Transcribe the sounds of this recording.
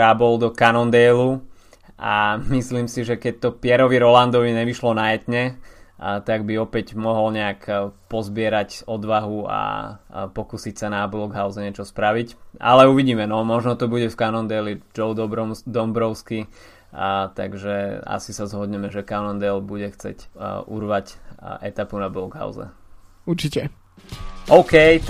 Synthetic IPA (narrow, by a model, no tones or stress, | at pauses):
abɔld̪ɔkanɔnd̪ɛjlu | ʔamisliːmsiʒɛkɛc̚t̪ɔpɪɛɾɔʋiɾɔland̪ɔʋiɲɛʋiʃlɔnajɛt̪ɲɛ | t̪aɡbiɔpɛɟmɔɦɔlɲɛakpɔzbɪɛɾacɔd̪ʋaɦua̰pɔkusicsanablɔɡɦaʊzɲɛt͡ʃɔspɾaʋicʔa̰lɛuʋiɟiːmɛnɔmɔʒnɔt̪ɔbuɟɛfkanɔnd̪ɛlid͡ʒɔʊd̪ɔbɾɔd̪ɔmbɾɔʊski | t̪a̰ɡʒɛa̰sisazɦɔd̪ɲɛmɛʒɛkanɔnd̪ɛlbuɟɛxt͡sɛ̰cʔṵɾʋacʔɛt̪apunablɔɡɦa̰ʊzɛ̰ | uɾt͡ʃicɛ | ʔɔʊkɛj